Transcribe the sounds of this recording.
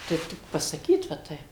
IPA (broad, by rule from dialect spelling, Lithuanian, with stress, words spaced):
ˈtɐɪp tʲɪk pɐsɐˈkʲiːt ʋɐ ˈtɐɪp